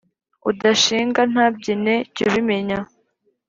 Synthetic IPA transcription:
udaʃiːŋɡan̥aːb̚ɟine̞ciɾime̞ɲa

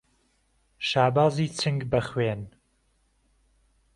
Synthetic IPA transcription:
ʃaːbaːziːt͡sʰɨŋɡbɐxweːn

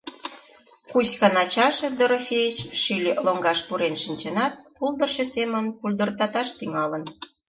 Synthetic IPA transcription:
kusʲkɑnɑt͡ɕɑʃĕd̪oɾofʲejit͡ɕʃylʲloŋɡɑʃpuɾenʃinʲt͡ɕənɑt̪̚puld̪ə̆rʃĕsemənpulʲd̪ə̆rt̪ɑt̪ɑʃt̪yŋɑlə̆n

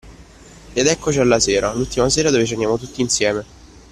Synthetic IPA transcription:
ead̪ɛkːot͡ʃialːaseːɾalult̪imas̬eːɾadoːvet͡ʃianjaːmot̪ut̪ːiːnsjɛːme

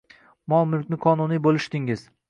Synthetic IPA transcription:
mɒmʊlkʲnɪqʰɒnʊnijbolˠɪʃd̪ɪŋɪz̥

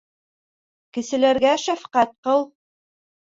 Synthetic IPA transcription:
kɘ̆sɘ̆læɾɡæʃæfqæt̪̚qɤlˠ

